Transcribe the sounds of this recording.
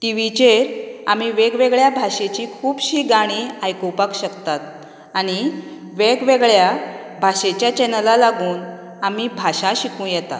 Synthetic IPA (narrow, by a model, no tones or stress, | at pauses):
t̪iʋit͡ɕeɾa̰miʋeɡʋeɡɭjabʱaɕet͡ɕiːkʰuːbɕiːɡaɽ̃iajkopakɕəkt̪at̪̚ | aɽ̃i | ʋeɡʋeɡɭja | bʱaɕet͡ɕjat͡ɕɛnəlalaɡuːn | amiːbʱaɕaɕikũjɛt̪a̰